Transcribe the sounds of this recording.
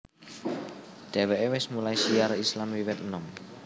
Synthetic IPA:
ɖ̪̥ɛ̤weʔewɪsmulajsiaɾislamwiwɪt̪ənɔŋ

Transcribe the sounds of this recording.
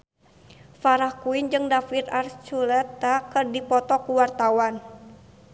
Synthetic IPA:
faɾahkuind͡ʒɨŋdafit̪art͡ʃulɛt̪ːakərdipɔt̪ɔkuwart̪awan

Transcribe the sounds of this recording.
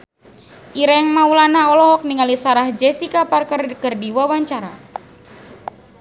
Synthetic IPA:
ʔiɾajaŋmaulanaɔlɔɦɔk̚niŋalisaɾahd͡ʒɛsikaparkərkərdiwawaɲt͡ʃaɾa

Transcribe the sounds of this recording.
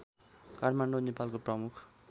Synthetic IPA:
kaʈmaɳɖonepalkoprʌmukʰ

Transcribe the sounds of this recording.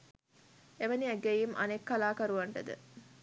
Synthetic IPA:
eʋɐniæɡejimʔɐ̰nekːɐlaːkɐɾuʋɐɳʈəd̪ə̰

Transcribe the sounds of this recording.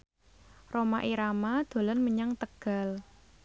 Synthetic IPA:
romaʔiɾamad̪̥o̤lɔnməɲaŋt̪əɡ̥a̤l

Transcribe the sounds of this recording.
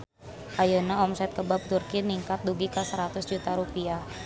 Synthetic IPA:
ʔajanaɔmsɛt̪̚kəbap̚d̪urkiniŋkat̪̚duɡikəsəɾat̪ʊsd͡ʒut̪aɾupia

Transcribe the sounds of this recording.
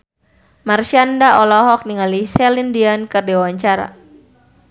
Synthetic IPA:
marʃandaɔlɔɦɔk̚niŋalisɛlindiankərdewaɲt͡ʃaɾa̰

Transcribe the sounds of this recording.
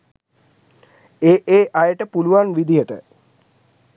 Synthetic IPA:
eːʔeːʔajəʈəpuluʋanʋid̪ijəʈə

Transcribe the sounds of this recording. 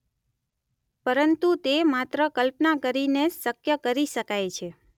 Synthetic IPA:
pəɾənt̪ut̪emat̪ɾəkəlpnakəɾinesəkjəkəɾiʃəkajt͡ʃʰe

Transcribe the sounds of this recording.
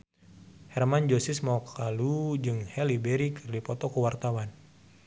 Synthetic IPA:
hɛrmand͡ʒosismakalud͡ʒɨŋhɛlibɛɾikɨrdipɔt̪ɔkəwart̪awan

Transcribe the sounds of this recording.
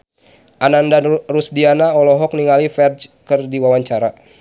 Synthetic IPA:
ʔanandanrusdianaɔlɔɦɔk̚niŋalifɛrd͡ʒkərdiwawaɲt͡ʃaɾa

